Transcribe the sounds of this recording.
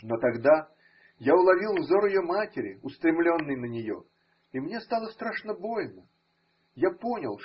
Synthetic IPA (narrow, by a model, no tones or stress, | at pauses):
nɔt̪aɡd̪a | jawlˠavʲilˠwzɔɾijɔmatʲeɾʲiust̪ɾɨmlʲɔnːɨjnɐnʲɛjɔ̰ | imnʲɛst̪alˠɐst̪ɾaʂnɐbɔjʲnɐ | japɔnʲɐ̰lˠ